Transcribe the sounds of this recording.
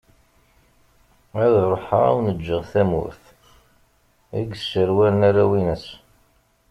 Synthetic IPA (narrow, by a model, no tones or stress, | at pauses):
æðɾˤoħəʁæ̰wnəd͡ʒːəʁθæmʊ̰ɾθ | æɡsːəɾwælənæɾæwinəs